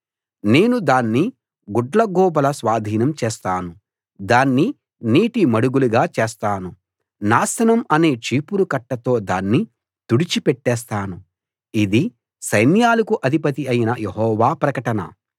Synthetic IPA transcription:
ne̞ːnud̪aːnːi | ɡuɖlɐɡɔːbɐlɐsʋaːd̪ʱiːnɐmt͡ʃeːst̪aːnu | d̪aːnːi | niːʈimɐɽuɡuluɡaːt͡ʃeːst̪aːnu | naːsɐnɐmɐne̞ːt͡ʃiːpuɾukɐʈːɐt̪o̞ːd̪aːnːi | t̪uɽit͡ʃipɛʈːɛːs̬t̪aːnu | id̪i | sɐjnjaːlɐkuʔɐd̪ʱipɐt̪iɐjinɐjeɦɔːʋaːpɾɐkɐʈɐnɐ̰

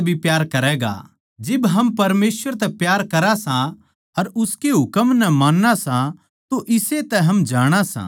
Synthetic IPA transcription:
bʱipjaːɾkɐɾɛːɡa̰ | d͡ʒɪbɦɐmpɐɾmeːsʋəɾt̪ɛpjaːɾkɐɾasã | ɐɾʊskeɦʊkəmnɛmaːnːasã | t̪oʔɪset̪ɛɦɐmd͡ʒaːɽ̃asã̰ː

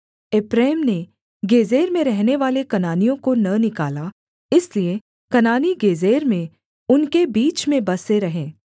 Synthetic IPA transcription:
ɪpɾeːmne | ɡeːzeːɾmẽɾɛɦneʋaːlekɐnaːnijõkonɐnɪkaːla | ɪslie | kɐnaːniɡeːzeːɾmẽ | ʊnkebiːt͡ʃmẽbɐseɾɐɦẽː

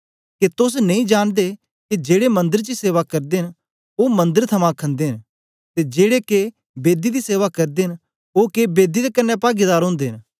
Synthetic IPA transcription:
ket̪ʊs̬nɐ̃ĩd͡ʒaːɽ̃d̪e | kid͡ʒeːɽemɐ̃nd̪əɾt͡ʃiseːʋakɐɾd̪eɦɪn | oːmɐ̃nd̪əɾt̪ʰɐmãkʰə̃nd̪eɦɪ̃n | t̪ed͡ʒeːɽeke | beːd̪id̪iseːʋakɐɾd̪eɦɪ̃n | okeːbeːd̪id̪ekɐnːepaːɡɪd̪aːɾɦõːnd̪eɦɪ̃n

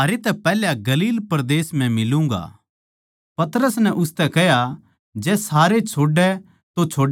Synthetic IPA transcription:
aːɾet̪ɛpɛːljaɡɐliːlpɾd̪eːsm̤ɛ̃mɪlũːŋ̆ɡa̰ː | pɐt̪ɾəsnɛʔʊst̪ɛkɛɦja | d͡ʒɛːsaːɾet͡ʃʰoːɖɛ | t̪ot͡ʃʰoːɖ

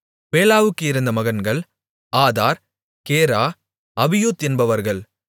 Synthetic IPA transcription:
peːlaːʋɯkːɯɪɾɯnd̪ɐmɐɣɐnɡɐɭ | aːðaːɾ | keːɾaː | ɐʋɪjut̪ɛnbɐʋɐɾɣɐɭ

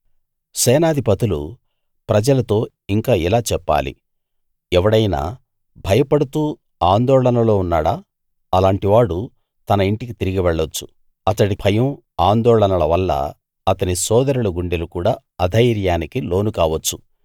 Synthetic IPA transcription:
sɛːnaːd̪ʱipɐt̪ulṵ | pɾɐd͡ʒɐlɐt̪o̞ː | iŋkaːilaːt͡ʃɛpːa̰ːlḭ | ɛʋɐɽɐjna̰ː | bʱɐjɐpɐɽut̪uː | aːnd̪ɔːɭɐnɐlo̞ːunːaːɽaː | ɐlaːɳʈiʋaːɽu | t̪ɐnɐiɳʈikit̪iɾiɡiʋɛɭːot͡ʃːu̥ | ɐt̪ɐɽibʰʱɐjɐm | aːnd̪ɔːɭɐnɐlɐʋɐlːɐ̰ | ɐt̪ɐnisɔːd̪ɐɾulɐɡuɳɖelukuːɽaː | ɐd̪ʱɐjɾjaːnikilo̞ːnukaːʋɐt͡ʃːu

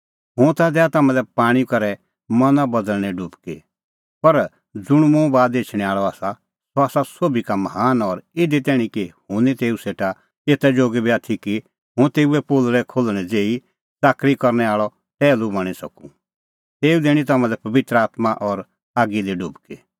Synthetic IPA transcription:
ɦʊ̃t̪ad̪ɛat̪ɐmãlɛpaːɽ̃ikɐɾɛ | mɐnabɐd̪əlɽ̃ɛɖʊbke | pɐɾ | d͡zʊɽ̃mũbaːd̪eːt͡ʃʰɽ̃ɛ̃aːɭɔaːsa | soaːsasoːbikamɐɦaːnɔɾɪd̪it̪ɛːɽ̃ĩkihʊ̃nit̪eːuseːʈa | eːt̪ɛd͡ʒoːɡibiaːt̪ʰiki | ɦʊ̃t̪eːuɛpoːlɾɛkʰoːlɽ̃ɛd͡zeːi | d͡zaːkɾikɔɾñɛaːɭɔ | t̪ɛːlubɐɽ̃isɐ̰kũ | t̪eːud̪eːɽ̃ĩt̪ɐmãlɛpɐʋɪt̪ɾəaːt̪maʔɔɾ | aːɡiliɖʊbke

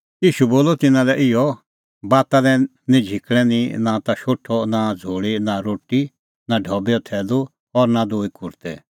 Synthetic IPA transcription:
iːʃuboːlɔt̪ɪnãlɛʔɪjɔ | baːt̪ãlɛ | nĩd͡ʒʱɪkɛninãt̪aʃoːʈʰɔnad͡zʱoːɭinaɾoːʈi | naɖʱɔbjɔt̪ʰɛːlu | ɔɾnad̪oːikʊɾt̪ɛ

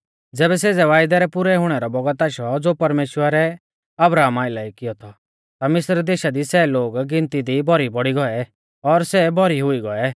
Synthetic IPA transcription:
d͡zɛːbɛseːd͡zɛʋaːjd̪ɛɾɛpʊɾɛɦʊɽ̃ɛɾɔbɔɡət̪aʃɔd͡zoːpɐɾmeːʃwəɾɛ | ɐbɾaːmaːɪlaːikɪjɔt̪ʰɔ | t̪amɪsɾd̪eːʃad̪isɛloːɡɡɪ̃nt̪id̪ibɔɾibɔɽiɡɔɛ | ɔɾsɛbɔɾiɦʊiɡɔɛ

